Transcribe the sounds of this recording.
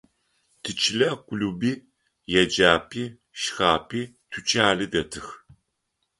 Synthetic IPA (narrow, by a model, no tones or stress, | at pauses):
tʰɨt͡ʃʰɪlɐkʷʼʊluːbiː | jɛd͡ʒaːpʰʼiː | ʃxaːpʰʼiː | tʰut͡ʃʼaːlɨdɐtʰɨx